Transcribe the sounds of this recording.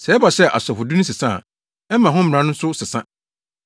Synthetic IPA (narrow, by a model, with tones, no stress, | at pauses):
sɛ˨˦ɛ˦ba˨ɕɛ˦ʔa̰˨sɔ˨fʊ˨du˦nʊ̃˦s̬ɪ˨sã̰˦˨ | ɛ˦mã˨ɦʊ̃˦m˦˨ã˦nʊ̃˦sʊ˦sɪ˨sã̰˦